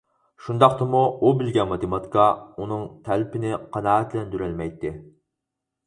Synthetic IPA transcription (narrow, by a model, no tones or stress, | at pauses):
ʃund̪ɑqt̪ɨmuubɪlɡʲɛnmɑt̪ɨmɑt̪kɑunɨŋt̪ʰælpʰɪnɪqʰɑnɑːɛt̪lɛnd̪yɾælmɛjt̪ːɪ